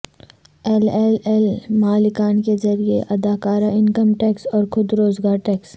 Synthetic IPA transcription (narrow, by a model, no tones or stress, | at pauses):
ɛːlɛːlɛlmaːlɪkaːnkezɐɾiḛʔɐd̪aːkaːɾaɪnkəmʈɛːksɔːɾxʊd̪ɾoːzɡaːɾʈɛːks